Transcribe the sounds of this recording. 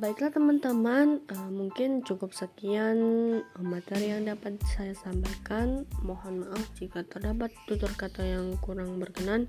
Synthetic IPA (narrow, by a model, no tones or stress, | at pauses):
baiklat̪əmant̪əmanəmuŋkɪnt͡ʃukʊp̚səkianmat̪ɛɾijaŋdapat̪̚sajasambajkanmohanmaʔafd͡ʒikat̪ərdabat̪ːut̪ʊrkat̪ajaŋkuɾaŋbərkənan